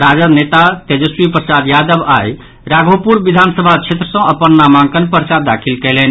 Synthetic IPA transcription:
ɾad͡ʒənet̪at̪ed͡ʒəswipɾəsad̪jad̪əbaj | ɾaɡʱopuɾbid̪ʱansəbʱat͡ʃʰet̪ɾəsə̃əpənːamaŋkənpəɾsad̪akʰilkɛlɛn

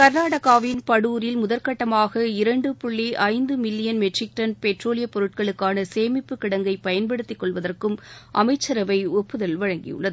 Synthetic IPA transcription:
kɐɾnaːɽɐɣaːʋɪnpɐɽuːɾɪlmʊðɐɾkɐʈːɐmaːɣɐɪɾɐɳɖɯpʊɭːiʔɐɪnd̪ɯmɪlːɪjɐnmɛʈrɪk̚ʈɐnpɛʈroːlɪjɐpɔɾɯʈ̚kɐɭɯkːaːnɐseːmɪpːɯkːɪɽɐŋɡɐɪpɐjɐnpɐɽɯt̪ːɪkːɔɭʋɐðɐrkɯmʔɐ̰mɐɪt͡ʃːɐɾɐʋɐɪɔpːɯðɐlʋɐɻɐŋɡɪ̰jɯ̰ɭːɐðɯ

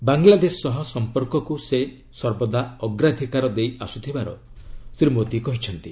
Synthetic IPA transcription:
baŋlad̪esɔɔɦɔsɔmpɔɾkɔkuse | sɔɾbɔd̪aɔɡɾad̪ʱikaɾɔd̪ejasut̪ʰibaɾɔ̰sɾimot̪ikɔɦit͡ʃʰɔnt̪i

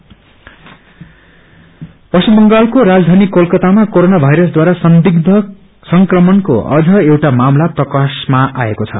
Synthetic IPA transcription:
pʌsubʌŋɡalkoɾad͡zd̪ʱanikːolkʌt̪amakoɾonabʱajɾʌsd̪waɾasʌnd̪iɡd̪ʱʌ | sʌŋkrʌmʌnko̰ʌ̰d͡zʱʌewʈamamlaprʌkasmaʔaekot͡sʰʌ̰

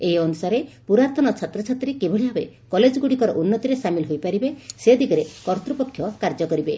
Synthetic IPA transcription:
eɦiɔnusaɾepuɾaɾt̪ɔnɔt͡ʃʰat̪ɾɔt͡ʃʰat̪ɾikeboɭiɦɔbekɔled͡ʒɔɡuɽikɔɾɔʔunːɔt̪iɾesamilɦojpaɾibesed̪ʱikɔɾekɔɾt̪ɾupɔkʰːjɔkaɾd͡ʒɔkɔɾibe

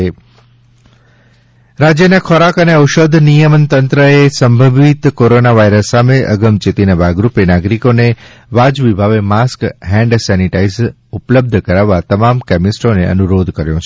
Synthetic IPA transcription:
e | ɾad͡ʒjənakʰɔɾakəneəʊʃod̪ʱnijəmənt̪ənt̪ɾəesəmbʱəʋit̪koɾonaʋaiɾəsːameʔəɡəmt͡ʃet̪inəbʱaɡɾupenaɡɾikone | ʋad͡ʒʋibʱaʋemaskɦɛ̃ɳɖsɛniʈaiz | ʊpləb̚d̪ʱəkəɾaʋat̪əmamkɛmɪsʈoneə̰nuɾod̪ʱkəɾjõ

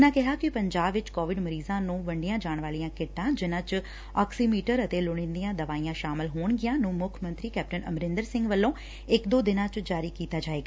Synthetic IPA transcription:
nãːkɪɦaːkɪpəɲd͡ʒaːbʋɪt͡ʃkɔːʋɪɖməɾiːzãːnũːʋəɳɖɪjãːd͡ʒaːɳ̃ʋaːlijãːkɪʈːãːd͡ʒɪnãːt͡ʃ | ɔːksiːmiːʈəɾət̪eːlʊɽ̃ɪ̃ːnd̪ijãːd̪əʋaːiːãːʃaːmɪlɦoːɳɡɪjãːnũːmʊkʰəmə̃nt̪ɾiːkɛːp̚ʈənə̰mɾɪ̃nd̪əɾsɪ̃ŋɡʋəlːõː | ɪkd̪oːd̪ɪnãːt͡ʃd͡ʒaːɾiːkiːt̪aːd͡ʒaːeːɡaː

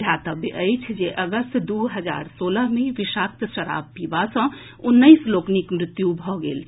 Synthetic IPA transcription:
jat̪əbʔəjt͡ʃʰd͡ʒeʔəɡəst̪d̪uɦəd͡ʒa̰ɾsoləɦmeʋiʃak̚t̪ʃəɾa̰b̚pibasə̃ | unːəɪsloknikmɾit̪jubʱɔɡḛl

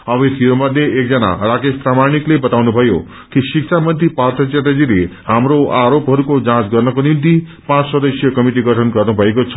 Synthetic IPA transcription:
ʌbʌt̪ʰiomʌd̪ʱjeek̚d͡zʌna̰rakespramaɽ̃iklebʌt̪awnubʱʌjo̰ | kisik̚sʰamʌnt̪ipart̪ʰʌt͡ʃat̪ed͡zilehamɾoʔaɾopɦʌɾukod͡zãt͡sɡʌrnʌkonint̪i | pãt͡ssʌd̪ʌsjʌkʌmiʈiɡʌʈʰʌnɡʌrnubʱʌekot͡sʰʌ̥

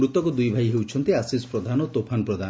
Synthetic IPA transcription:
ɾut̪ɔkɔd̪ujbʱajɦewt͡ʃʰɔnt̪iasisɔ̥pɾɔd̪ʱanɔt̪opʰanɔpɾɔd̪ʱa

